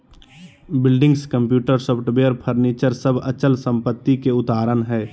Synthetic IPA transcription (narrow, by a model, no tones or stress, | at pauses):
bɪlɖɪ̃ŋɡskə̃mpjuːʈəɾsɔbʈəbeəɾpʰəɾniːt͡ʃəɾsəbʱə̰t͡ʃəlsə̃mpət̪ːikeʊt̪aːɾənɦɛː